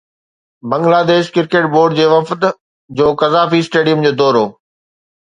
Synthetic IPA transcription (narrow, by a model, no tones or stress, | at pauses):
bɐ̃ŋɡlaːd̪eːʃkɪɾkeːʈ̚boːɾɖd͡ʑeːʋɐft̪ | d͡ʑoːkɐzaːfisʈeːɖijʊmd͡ʑoːd̪ɔːɾoː